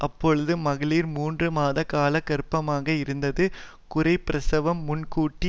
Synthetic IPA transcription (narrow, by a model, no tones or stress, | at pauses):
ʔɐpːɔɻɯðɯmɐɣɪɭiːɾmuːndrɯmaːðɐkaːlɐkɐɾɯpːɐmaːɣɐɪɾɯnd̪ɐðɯ | kʊrɐɪpɪɾɐsɐʋɐmːʊnkuːʈːi